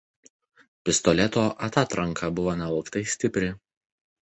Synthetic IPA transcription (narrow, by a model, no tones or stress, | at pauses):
pʲɪst̪ɔlʲɛt̪oːʔɐt̪ɑt̪ɾɐŋkʰɐbʊʋoːnʲɛɐlˠkt̪ɐɪsʲt̪ʲɪpʲɾʲɪ